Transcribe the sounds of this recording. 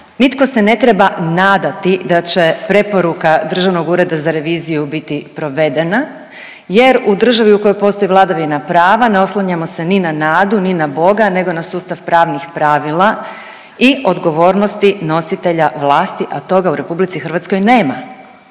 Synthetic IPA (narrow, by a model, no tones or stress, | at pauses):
nit̪ko̞sene̞t̪ɾe̞banaːd̪at̪id̪at͡ɕe̞pɾe̞po̞ɾukad̪r̩ʒaʋno̞ɡuːɾe̞d̪azaɾe̞ʋiːzijubit̪ipɾo̞ʋe̞d̪e̞na | je̞ɾud̪r̩ʒaʋiuko̞jo̞jpo̞ːst̪o̞jiʋlˠad̪aʋinapɾaːʋaneo̞slˠaɲamo̞seninanaːd̪uninabo̞ɡane̞ɡo̞nasuːst̪aʋpɾaːʋnixpɾaʋilˠa | io̞d̪ɡo̞ʋo̞ːɾnost̪ino̞sit̪e̞ʎaʋlˠaːst̪iʔat̪o̞ɡauɾe̞publit̪sixɾrʋat̪sko̞jne̞ːma